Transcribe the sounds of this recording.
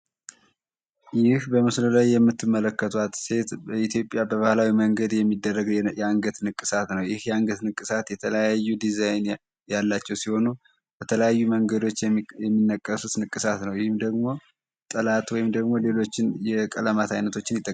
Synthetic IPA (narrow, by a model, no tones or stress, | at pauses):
jɪhbəmɨslulajːɛmːɨt̪ʰːɨmːələkːət̪ʰwat̪se̞t̪bəit̪ʰjo̞pʼːjabəβahlawiməŋɡəd̪jɛmːid̪ːərːəɡjɛaŋɡət̪nɨkʼːɨsat̪nəwjɪhjɛaŋɡət̪nɨkʼːɨsat̪jɛt̪ʰələjajːud̪izajn | jalːat͡ʃːɛwsiho̞nu | bət̪ʰələjajːuməŋɡəd̪o̞t͡ʃːjɛmːɨnːəkʼːəsut̪nɨkʼːɨsat̪nəwjhɪmd̪əɡmo̞ | t̪ʼəlat̪wɔjɪmd̪əɡmo̞le̞lo̞t͡ʃːɪnjɛkʼələmat̪ʰajnət̪ʰo̞t͡ʃːɪnjɪt̪ʼːə